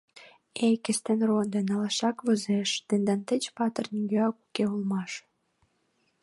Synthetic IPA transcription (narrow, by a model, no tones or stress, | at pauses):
ejkə̆st̪enrond̪enɑlɑʃɑkβɤzeʃt̪ə̆nd̪ɑnt̪ə̆t͡ɕpɑt̪ərnʲiɡøɑkukeulmɑʃ